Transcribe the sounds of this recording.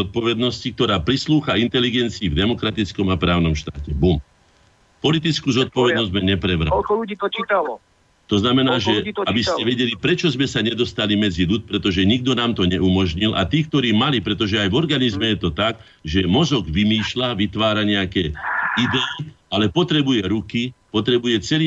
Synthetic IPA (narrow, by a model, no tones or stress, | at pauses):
zɔt̪̚pɔʋɛd̪nɔscik̚t̪ɔɾaːpɾisluːxaint̪ɛliɡɛnt͡siːvd̪ɛmɔkɾat̪it͡skɔmapɾaːʊnɔmʃt̪aːcɛbum | pɔlit̪̬it͡skuːzɔt̪̚pɔʋɛd̪nɔzmɛɲɛpɾɛʋɾalː | a | t̪ɔznamɛnaːʒɛabiscɛʋɛɟɛlipɾɛt͡ʃɔzmɛsaɲɛd̪ɔst̪alimɛd͡ziʎut̪̚pɾɛt̪ɔʒɛɲiɡd̪ɔnaːmt̪ɔɲɛʔumɔʒɲilʔa̰t̪iːkt̪ɔɾiːmalipɾɛt̪ɔʒɛajvɔɾɡanizmɛjɛt̪ɔt̪aɡ | ʒɛmɔzɔɡʋimiːʃlaʋit̪ʋaːɾaɲɛakɛːid̪ɛialɛpɔt̪ɾɛbujɛɾukipɔt̪ɾɛbujɛt͡sɛliː